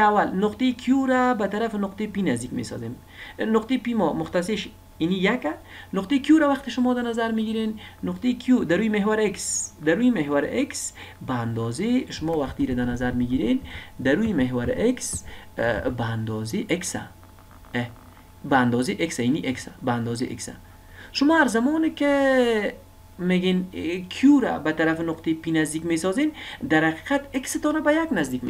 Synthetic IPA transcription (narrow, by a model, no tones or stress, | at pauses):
awalnʊqt̪ejkʰjuɾabat̪aɾafɪnʊqt̪ejpinazd̪ikmḛsɔ̰zem | nʊqt̪epimɔmʊxt̪as̬eʃ | inijaka | nʊqt̪ekjuɾawaqt̪ɪʃʊmɔd̪anazaɾmiɡiɾenːʊqt̪ekʰjud̪aɾujimeɦwaɾeksd̪aɾujimeɦwaɾ̰ʔeksbaːnd̪ɔzeʃʊmɔwaxt̪iɾad̪aɾnazaɾmiɡiɾend̪aɾujimeɦwaɾɪ̰ʔeks | baːnd̪ɔzeʔeksa̰ | baːnd̪ɔːzeʔeksainiʔeksabaːnd̪ɔzeʔḛksa̰ | ʃʊmɔːaɾzamɔːnɪkɪ | meɡenkʰijuɾa̰bat̪aɾafɪnʊqt̪ʰepinazd̪ikmesɔzend̪aɾhaqi̥qat̪eksɪt̪ɔnabajaɡnazd̪ikme